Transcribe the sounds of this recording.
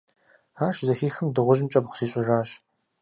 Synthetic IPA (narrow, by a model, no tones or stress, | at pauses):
aːrʃzɐxiːxɨmdɨʁʷʊʒɪmt͡ʃʼɐbχʷsiːɕʼɪʒaːɕ